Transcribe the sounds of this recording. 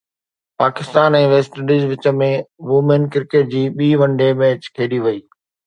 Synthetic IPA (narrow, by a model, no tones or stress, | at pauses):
paːkɪst̪aːnɛ̃ːʋeːsʈəɖiːzʋɪt͡ɕə̆mẽʋuːmenkɪɾkeʈ̚d͡ʑiːɓiːʋɐ̃ɳɖemɛːt͡ɕkʰeːɗiʋɐiː